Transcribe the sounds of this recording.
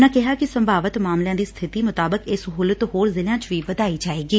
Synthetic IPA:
nãkɪɦaːkɪsəmbʱaːʋət̪maːmljãːd̪iːst̪ʰɪt̪iːmʊt̪aːbəkɪsɦuːlət̪ɦoːɾzɪljãːt͡ʃʋiːbəd̪aːiːd͡ʒaːeːɡiː

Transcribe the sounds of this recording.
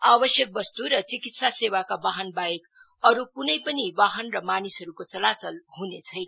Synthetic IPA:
abʌsjʌk̚bʌst̪uɾʌt͡sikit̪sasewakabaɦʌnbajek | ʌɾukunʌjpʌnibaɦʌnrʌmanisɦʌɾukot͡sʌlat͡sʌlɦunet͡sʰʌjna

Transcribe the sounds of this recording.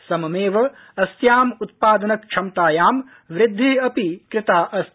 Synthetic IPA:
sɐmɐmeːʋɐ | ɐsjaːmut̪̚paːd̪ɐnɐkʃʰɐmt̪aːjaːm | ʋɾɪd̪ʱːeːɐpikɾɪt̪aːʔɐs

